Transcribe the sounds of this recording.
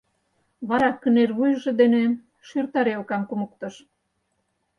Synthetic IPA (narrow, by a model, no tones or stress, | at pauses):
βɑɾɑkənerβujʒĕd̪ene | ʃyrt̪ɑɾeokɑmkumok̚t̪ɤ̆ʃ